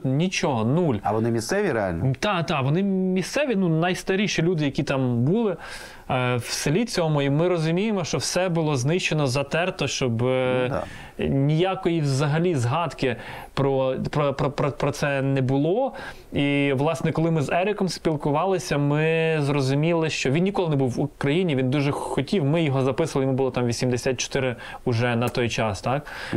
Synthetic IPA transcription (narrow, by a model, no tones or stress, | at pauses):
nʲit͡ʃɔɦɔnulʲɐ̰ʋɔnɪmʲist̪sɛʋʲiɾea̰lʲnt̪ɑt̪ɑʋɔnɪmʲist̪sɛʋʲinunɐjst̪ɐɾʲiʃilʲud̪ɪjɐkʲit̪ɑmbulˠɪ | wsɪlʲit͡sʲɔmʊimɪɾɔzʊmʲijemɔʃt͡ʃɔwsɛbʊlˠɔznɪʃt͡ʃenɔzɐt̪ɛrt̪ɔʃt͡ʃɔbd̪̰ | nʲijakɔjiwzɐɦɐlʲizɦɑd̪kɪpɾɔpɾɔpɾɔpɾɔpɾɔt̪sɛnɛbʊlˠɔ | iʋlˠɑsnɛkɔlˠɪmɪzɛɾʲɪkɔmspʲilˠkʊʋɑlˠɪsʲɐmɪzrɔzʊmʲilˠɪʃt͡ʃɔʋʲinnʲikɔlˠɪnɛbuwukɾɐjinʲiʋʲind̪uʒɛxɔtʲiwmɪjɔɦɔzɐpɪsɐlˠɪijmubʊlˠɔt̪ɑmʋʲisʲimd̪esʲat̪̚ʲt͡ʃɔ̥t̪ɪɾɪ | ʊʒɛnɐt̪ɔjt͡ʃɑst̪ɑk